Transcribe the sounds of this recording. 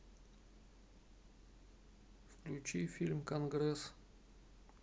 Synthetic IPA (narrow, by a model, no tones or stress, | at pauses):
fklʲʉt͡ɕifʲilʲmkɐnɡɾɛs